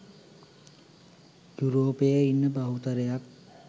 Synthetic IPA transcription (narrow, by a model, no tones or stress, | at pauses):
juɾoːpejəinːəbaɦut̪ɐɾejak̚